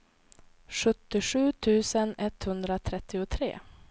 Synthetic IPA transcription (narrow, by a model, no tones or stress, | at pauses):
ɧɵt̪ːɪɧʉ̟ːt̪ʰʉ̟ːsənɛt̪hɵnd̪ɾat̪ʰɾɛt̪ʰːɪʊt̪ʰɾḛː